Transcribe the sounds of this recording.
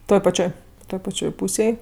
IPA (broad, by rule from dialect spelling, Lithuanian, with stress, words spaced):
ˈtoːj pɐˈt͡ʃʲoːj ˈtoːj pɐˈt͡ʃʲoːj ˈpuːsʲeːj